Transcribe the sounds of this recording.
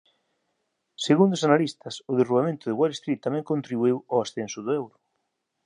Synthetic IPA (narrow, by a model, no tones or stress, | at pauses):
seɣund̪osanalist̪ɐsʊðeruβamẽnt̪ʊðɪɣwalest̪ɾit̪ːamɛ̃ŋkõnt̪ɾiβuewoasθensʊðʊewɾʊ